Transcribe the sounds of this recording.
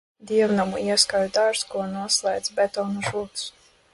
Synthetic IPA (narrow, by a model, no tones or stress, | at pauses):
d̪iɛwnamuiɛskajud̪aɾskuɔnuɔslˠɛjd̪zbʲɛt̪ɔːnuʒuːt̪s